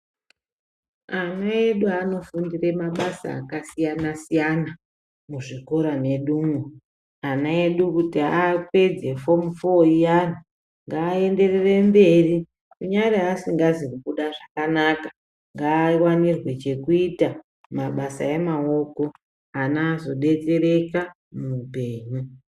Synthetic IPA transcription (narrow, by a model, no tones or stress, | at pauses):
anaeɗuano̞fundire̞maɓasa̰ːkasijanasijana | muʐikoɾane̞ɗuːmo | anae̞ɗukutiape̞d͡ze̞fo̞mufoijan̤u | ŋɡaːe̞nde̞rere̞mbe̞ri | kuɲaɾeːsiŋɡazikuɓuɗaʐakanaːka | ŋɡaːwanirwe̞t͡ʃe̞kuita | maɓasaemao̞ko̞ | anaːzo̞ɗe̞te̞re̞ka | muupeːɲu